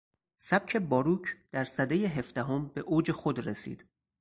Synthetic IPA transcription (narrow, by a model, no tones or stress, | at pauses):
sæb̥̚cʰe̞bɒːɾuːcʰd̪̥æɾsæd̪ejeɦe̞fd̪æɦo̞mbe̞ʔoːd͡ʒe̞xo̞d̪ɾesḭːd̪̥